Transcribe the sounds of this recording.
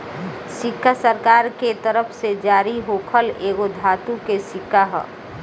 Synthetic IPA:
sɪkʰːasəɾkaːɾket̪əɾəpʰsed͡ʒaːɾiɦoːkʰəleːɡod̪ʱaːt̪ũkesɪkʰːaɦɛ̰

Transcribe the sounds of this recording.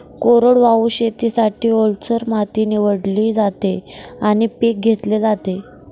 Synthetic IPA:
koɾəɽʋauɕet̪isaʈiːolt͡səɾmat̪iːniʋəɽliːd͡zat̪eaɽ̃ipek̚ɡʱet̪led͡zat̪e

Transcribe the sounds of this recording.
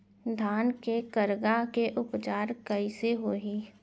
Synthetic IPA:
d̪ʱaːnkekəɾɡakeʔʊpt͡ʃaːɾkəiseɦoːɦiː

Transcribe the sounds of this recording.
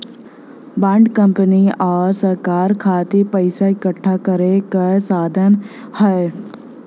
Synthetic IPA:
bãːɳɖkə̃mpəniɔːɾsəɾkaːɾkʰaːt̪epəɪsaɪkəʈʰːakəɾekasaːd̪ʱənhɛe

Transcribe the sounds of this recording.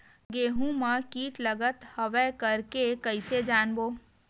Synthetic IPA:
ɡeːɦũmãkiːʈləɡət̪hɐʋɛkɐɾkekəised͡ʒaːnboː

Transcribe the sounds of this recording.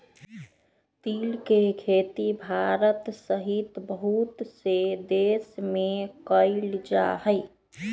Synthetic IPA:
t̪iːlkekʰeːt̪ibʱaɾət̪səɦit̪bəɦut̪sed̪eːsmẽkəɪld͡ʒa̰ɦəɪ

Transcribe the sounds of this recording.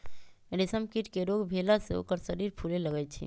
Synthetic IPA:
ɖɪsəmkiʈkeɾoːɡbʱeːlaseo̰ːkəɾʃəɾiːɾpʰuːleləɡəit͡ʃʰḭː

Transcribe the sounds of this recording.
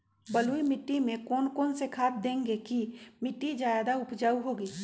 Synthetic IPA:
bəluimɪʈːimẽkɔːnkɔːnsekʰaːt̪̚d̪ẽːŋɡekimɪʈːid͡ʒaːjaːd̪aʊpd͡ʒaːuɦoːɡiː

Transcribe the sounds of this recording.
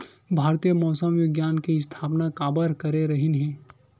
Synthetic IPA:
bʱaːɾt̪ijəmɔːsəmjoɡjaːnkeɪst̪ʰaːpnakaːbəɾkɐɾeɾɐɦɪnɦɛ̃ː

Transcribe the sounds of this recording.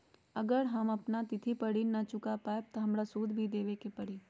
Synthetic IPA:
ɐɡəɾɦɐmɐpnat̪ɪt̪ʰipɐɽinɐt͡ʃʊkapaːeb̚t̪oɦɐmɾasuːd̪ʱbʱid̪eːʋekepɐɽi

